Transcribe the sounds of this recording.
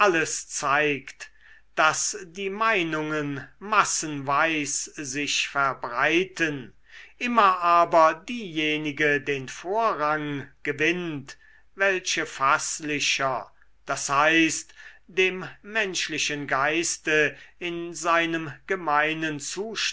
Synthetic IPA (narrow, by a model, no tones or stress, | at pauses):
ʔaləst͡saɪkt | d̥asdiːmaɪnʊŋənmasənvaɪszɪʃfɛɐbʁaɪtʰən | ʔɪmɐʔaːbɐdiːjeːnɪɡədeːnfoːɐʁaŋɡ̥əvɪnt | vɛlʃəfaslɪʃɐ | d̥ashaɪstd̥eːmːɛnʃlɪʃənɡaɪstəɪnzaɪnəmɡ̥əmaɪnənt͡suːʃ